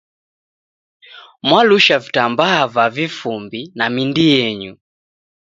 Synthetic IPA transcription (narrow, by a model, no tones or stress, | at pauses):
mwaluʃavitambaːvavifumbinamindijɛɲu